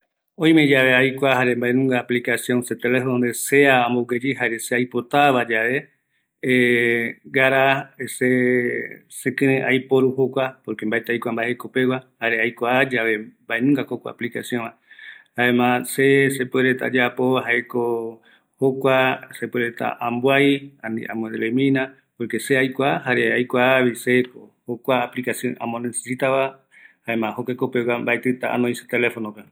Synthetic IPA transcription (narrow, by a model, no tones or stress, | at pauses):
õ̞j̃med͡ʒaβe̞ajkʷahaɾembaʔẽnũŋɡaːplikasjõ̞nset̪elefond̪ese̞aamboɡed͡ʒiɦaɾeseajpo̞t̪aβad͡ʒaʋe̞ | e | ɡaɾaese | sekɨ̃ɾẽʔajpo̞ɾuhokʷapoɾkembaet̪eajkʷambaeeko̞pe̞wahaɾeajkʷaad͡ʒaβe̞mbaenũŋɡakokʷaa̰plikasjõnmãhaẽmãsesepeɾet̪a̰d͡ʒapoaɦaeko | hokʷasepueɾet̪a̰ʔãmbwajanḭa̰mõd̪elemĩnã | poɾke̞seajkʷahaɾeajkʷaβisekohokʷaːplikasjõnã̰mõnese̥sit̪aβa | haemãhokekopewambaet̪ɨt̪aa̰nõĩsḁt̪elefonõpe